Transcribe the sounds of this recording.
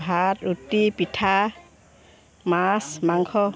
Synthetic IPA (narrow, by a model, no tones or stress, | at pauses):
ɦatutːipitʰa | masmaŋkʰɔ